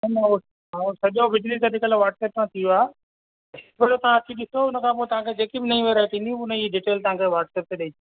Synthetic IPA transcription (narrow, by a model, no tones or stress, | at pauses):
ɐnɐo | sɐʄoʋɪd͡ʑlit̪ɐd̪ikəlʋaːɾʈseːp̚kʰãːt̪ʰijoaː | pɐɽot̪ɐʋãɐt͡ɕʰĩɗɪsoʊnə̆kʰãp̬ot̪ɐʋ̤ãkʰed͡ʑeːkibɪnɐĩʋeɾɐɦet̪ʰĩːnd̪ĩʊnəiɖiːʈeːlt̪ɐʋãkʰeʋaːʈseːp̚t̪eɗɐĩ